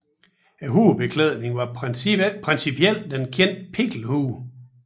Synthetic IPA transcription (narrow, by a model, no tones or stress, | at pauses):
æɦuːb̥e̝kʰlɛð̞̰ˠne̝ŋʋɑ̈ | pʰʁɛnsipʰiel̰d̥enkʰen̰d̥pʰe̝ɡ̥l̩huː